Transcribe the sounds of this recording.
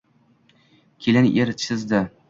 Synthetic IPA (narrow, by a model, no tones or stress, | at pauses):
kʲʰelʲɪn̰ʔeɾt͡ʃʰɪzd̪ɪ